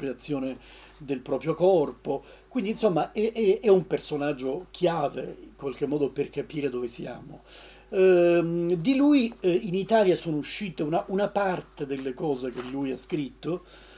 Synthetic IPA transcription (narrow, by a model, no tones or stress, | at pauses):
ɾiat̪sːjoːne | d̪elpɾɔːpɾjokɔrpo | kwind̪insomːaʔɛʔɛɛumpersonad͡ʒːok̟ʰjaːvḛiŋkwalkemːɔːd̪operkapiːɾed̪ovesja̰ːmo | d̪ilujinit̪aːljasoːnouʃːiːt̪eunaʔunapart̪ed̪elːekɔːzek̟elːujaskɾit̪ːo